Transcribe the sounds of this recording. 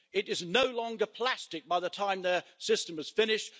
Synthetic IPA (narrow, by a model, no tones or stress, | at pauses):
ɪɾɪznoʊlɒ̃ŋɡəpʰl̥æstɪk̚b̥aɪðətʰãɪ̃mðəsɪstə̃məz̥fɪ̃nɪʃt̚